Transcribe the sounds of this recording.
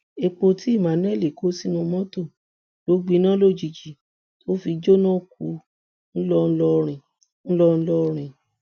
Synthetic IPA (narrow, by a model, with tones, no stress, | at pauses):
e˧k͡po˧ti˦i˦˨mã˨˦nɛ̃˦˨li˨ko˨˦si˦nũ˧mɔ̃˦to˦˨ | lo˨˦ɡ͡bi˧˦nã˦lo˦˨d͡ʒi˧˨d͡ʒi˨ | to˦fi˧d͡ʒo˦nã˦˨k̚u˧˦ | n̩˦lɔ˦˧n̩˦lɔ˦ɾĩ˨ | n̩˦lɔ˦n̩˦lɔ˦˧ɾ̃ĩ˨